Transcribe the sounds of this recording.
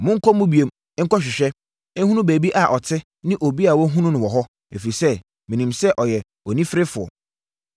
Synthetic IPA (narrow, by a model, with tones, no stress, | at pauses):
mʊ̃˦ŋ̩˦kʰɔ˦muʊ̃˦bi˨e˨m˦ | ŋ̩˦kɔ˦ɕ̬ᶣɪ˨ɕᶣɛ˦ | ẽ˦hũ˦nũ˦bæː˨bi˦ʔa˨ʔɔ˨tʰɪ˦ | nɪ̃˦ʔo˨bi˦a˨wɔ˦ɦũ˦nʊ̃˦nɪ̃˨wɔ˨ɦɔ˦ | e˨fi˨i˨sɛ˦ | mĩ˨nĩ˨msɛ˦ʔɔ˨jɛ˨ | ɔ˨nĩ˦fɪ˦ɾɪ˦fʊ˨ɔ̰˨